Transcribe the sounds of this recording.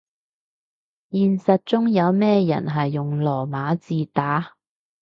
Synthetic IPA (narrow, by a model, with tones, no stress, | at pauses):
jiː˨nsɐ˨t̚t͡sʊ˥ŋjɐ˨˧wmɛː˥jɐ̰˨˩nɦɐ˨jːʊ˨˩ŋlɔː˨˩maː˨˥t͡siː˨˧t̪aː˨˥